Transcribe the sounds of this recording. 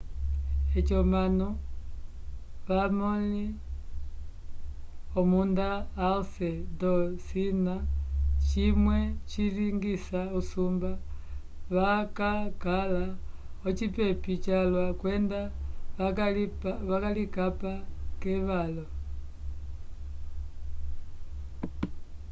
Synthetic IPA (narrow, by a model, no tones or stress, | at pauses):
et͡ʃomano | βamoli | omundaːlsedosinat͡ʃimwet͡ʃiliŋɡisausumba | βakakalaot͡ʃipɛpit͡ʃalwakwɛnda | βakalikapakɛβalo